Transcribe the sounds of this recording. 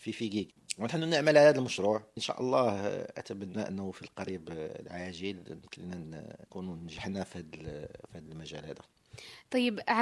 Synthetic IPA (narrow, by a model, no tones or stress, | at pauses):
fifiɡiɡ | wənħənːunəʕməlʕalæd̪əlməʃɾuʕʔənʃæ̰ʔɑlˤːɑhʔæ̰t̪æbænːæʔənːæwfilqɑɾiblʕaʒilnəmkəlnækununnʒəħnæfihæd̪əlfihæd̪əlmæʒæ̰lhæd̪æ | t̪ˤɑjːəb